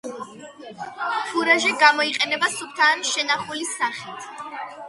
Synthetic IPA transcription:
pʰuɾaʒɛɡamɔiqʼɛnɛbasup̚ʰt̪ʰaːnʃɛnaχulisaχit̪ʰ

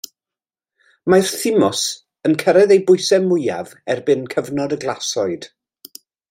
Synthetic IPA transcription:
marθɪmɔs | ənkʰəɾɛðejbʊɨsɛmʊja̰vɛrbɪnkʰəvnɔdəɡlˠasɔɨd̥

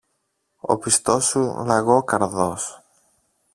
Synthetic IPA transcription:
o̞̰pist̪o̞sːulɐɣokɐɾðos

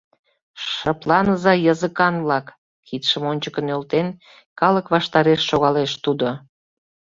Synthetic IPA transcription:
ʃəplɑnəzɑjəzəkɑnβlɑkː | it̪ʃəmonʲt͡ɕəkənølt̪en | kɑləkβɑʃt̪ɑɾeʃːoɣɑleʃt̪ud̪o

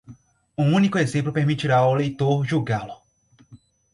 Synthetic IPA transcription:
ũũnikʊezẽmplʊpeɾmit͡ʃiɾaolejt̪oɾʒuɡalʊ

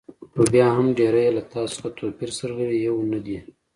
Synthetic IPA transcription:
tobjɑɦamɖeɾajelat̪ɑsxat̪ʰopiɾsəɾɣəɽijewnad̪i

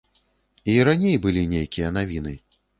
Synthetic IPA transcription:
iɾanʲejbɨlʲinʲejkʲijɐnavʲinɨ

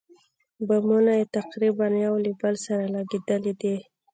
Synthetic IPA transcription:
bamunajet̪aqɾibanjawlibəlsaɾalaɡed̪əlid̪i

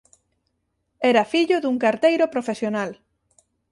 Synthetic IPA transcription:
ɛɾafiʎʊðuŋkaɾt̪ejɾopɾofesjonal

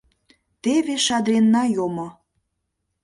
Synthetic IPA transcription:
t̪eβeʃɑd̪ɾenːɑjomŏ

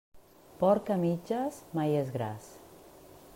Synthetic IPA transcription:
pɔɾkamid͡ʒazmajezɣɾa̰s

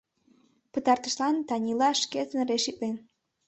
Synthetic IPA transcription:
pət̪ɑrt̪ə̥ʃlɑnt̪ɑnʲilɑʃket̪ənreʃik̚len

